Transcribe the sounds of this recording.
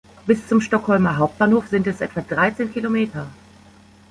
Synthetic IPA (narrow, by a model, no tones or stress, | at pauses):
b̥ɪst͡sʊmʃtɔkhɔlmɐɦaʊp̚t̚b̥aːnhoːfz̥ɪntɛsʔɛ̰tv̥adʁaɪt͡seːnkʰilomeːtʰɐ